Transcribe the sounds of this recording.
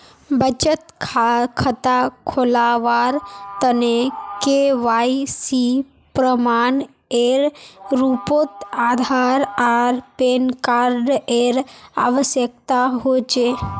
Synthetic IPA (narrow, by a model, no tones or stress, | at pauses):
bət͡ʃət̪kʰakʰət̪akʰolaʋaɾt̪ənekeʋaisi | pɾəmaɳ | eɾɾupot̪ad̪ʱaɾaɾpenkaɾɖeɾa̰ʋəʃjək̚t̪aɦot͡ʃʰe